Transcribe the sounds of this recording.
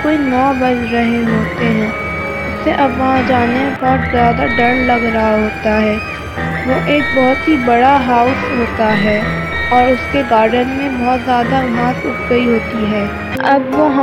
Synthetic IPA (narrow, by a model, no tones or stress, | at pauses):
koːinɔːbɐd͡ʒɾɐɦeɦoːt̪eɦɛ̃ː | ʊsːeʔɐbʋɐɦãd͡ʒaːnebɔːɾzjaːd̪aɖɐɾlɐɡɾɐɦaɦoːt̪aɦɛː | ʋoʔeːk̚bɔɦʊt̪ɦibɐɽaɦaːʊsɦoːt̪aɦɛː | ɔːɾʊskeɡaːɾɖənmẽbɔɦt̪zjaːd̪aʋɐɦãːt̪ʊpɡəiɦoːt̪iɦɛː | ɐbʋɐɦ